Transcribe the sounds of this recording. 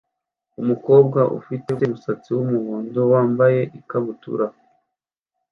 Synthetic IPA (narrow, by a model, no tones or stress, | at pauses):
umuko̞ːbɡaʔṵfitetemusat͡siwumuβuːndowaːmbaje̞ʔikaβutṵɾa